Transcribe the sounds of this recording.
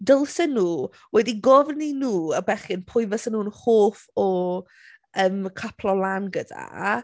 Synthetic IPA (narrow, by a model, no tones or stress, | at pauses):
dəlˠsɛnːuː | wɛdiɡɔvninuːəbɛχɪnpʰʊjvəsənuːnhoːfɔ | əːmkʰapʰlɔlˠanɡəda̰